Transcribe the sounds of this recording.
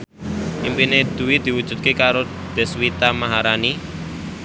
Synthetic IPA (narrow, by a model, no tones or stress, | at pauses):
ʔimpined̪̥ṳwid̪̥i̤wud̥ʒ̥ṳt̪̚kekaɾo | d̪̥ɛ̤swit̪amaɦaɾani